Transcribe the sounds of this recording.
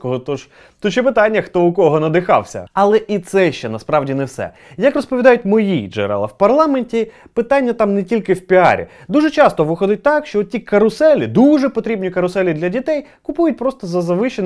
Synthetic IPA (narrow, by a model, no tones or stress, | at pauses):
kɔɦɔt̪ɔʒ̥ | t̪ɔt͡ʃjɛpɪt̪anʲːɐxt̪ɔʊkɔɦɔnɐd̪ɪxɑ̰wsʲɐ̰ɐlˠɛʔit̪sɛʃt͡ʃɛnɐspɾɑwdʲinɛwsɛ̰ | jɐkrɔspɔʋʲid̪ɑjʊtʲmɔjid͡ʒɛ̰ɾɛ̰lˠɐ̰wpɐrlˠɑmenʲtʲipɪt̪anʲːɐt̪ɑmnetʲilʲkɪwpʲiɑ̰ɾʲḭd̪uʒɛt͡ʃɑst̪ɔʋɪxɔd̪ɪt̚ʲt̪ɑkʃt͡ʃɔt̪tʲikɐɾʊsɛlʲɪd̪uʒɛpɔt̪ɾʲibnʲikɐɾʊsɛlʲid̪lʲɐdʲit̪ɛjkʊpujʊt̚ʲpɾɔst̪ɔzɐzɐʋɪʃen